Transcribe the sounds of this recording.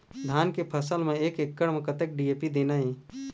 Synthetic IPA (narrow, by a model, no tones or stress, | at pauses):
d̪ʱaːnkepʰəsəlmẽeːkekːəɽmẽkət̪ek̚ɖiːeːpid̪eːnaɦẽː